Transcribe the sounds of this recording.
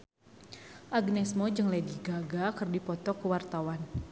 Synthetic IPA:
ʔaɡnɛsmɔd͡ʒɨŋlɛdiɡaɡakərdipɔt̪ɔkəwart̪awan

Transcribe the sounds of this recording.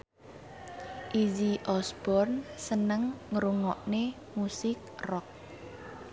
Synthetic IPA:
ʔid͡ʒiʔɔsb̥ɔrnsənəŋŋəɾuŋɔʔne | musɪk̚rɔk̚

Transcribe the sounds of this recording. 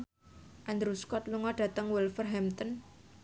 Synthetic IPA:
ʔand̪ɾuskɔt̪luŋɔɖ̥ä̤t̪əŋwɛlfərɦɛmt̪ən

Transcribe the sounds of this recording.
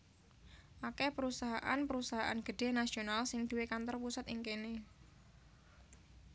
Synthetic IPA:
ʔakɛpəɾusaɦaʔa̰npəɾusaɦaʔa̰nɡ̥ə̤ɖ̪̥e̤nasionalsɪŋd̪̥ṳwekant̪ɔrpusat̪iŋkene

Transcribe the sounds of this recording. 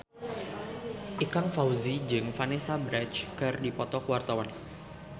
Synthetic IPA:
ʔikaŋfauzid͡ʒɨŋfanesabɾɛt͡ʃkɨrdipɔt̪ɔkəwart̪awan

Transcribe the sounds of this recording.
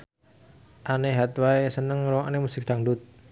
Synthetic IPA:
ʔaneɦat̪waesənəŋɾɔʔanemusɪk̚d̪̥aŋdʊt̪̚

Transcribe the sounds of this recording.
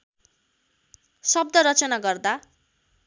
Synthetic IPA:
sʌb̚d̪ʌɾʌt͡sʌnaɡʌrd̪a

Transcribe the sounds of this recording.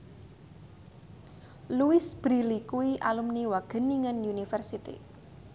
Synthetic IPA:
luisb̥ɾilikuwiʔalumniwaɡ̥ə̤niŋənunifɛrsit̪ḭ

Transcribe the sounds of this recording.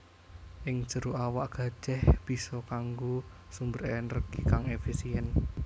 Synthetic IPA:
ʔɪŋ̥ʒ̥ə̤ɾuawaʔɡ̥a̤̥d͡ʒ̥ɛhb̥i̤sɔkaŋɡosumbəɾɛnrɡ̥ikaŋefisiɛn

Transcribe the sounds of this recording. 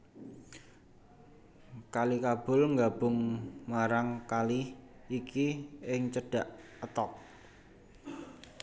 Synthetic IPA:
kalikab̥ʊ̤lŋɡab̥ʊ̤ŋmaɾaŋkaliikʰiɪŋt͡ʃəɖ̥a̤ʔ | ət̪ɔk̚

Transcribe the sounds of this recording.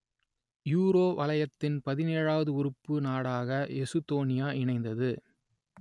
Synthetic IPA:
juːɾoːʋɐlɐjɐt̪ːɪnpɐðɪneːɻaːʋɐðɯʊɾɯpːɯnaːɽaːɣɐɛsɯt̪oːnɪjaːʔɪɳɐɪnd̪ɐðɯ

